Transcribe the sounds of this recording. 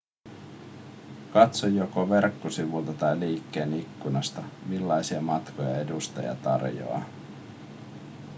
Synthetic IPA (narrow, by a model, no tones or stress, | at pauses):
kɑt̪so̞jːo̞ko̞ʋe̞rkːosiʋult̪ɑt̪ɑjliːkːe̞ːnikːunɑst̪ɑmilːɑjsiɑmɑt̪kʰo̞jɑ̰e̞dust̪ɑ̰jɑ̰t̪ɑ̰rjo̰ɑ̰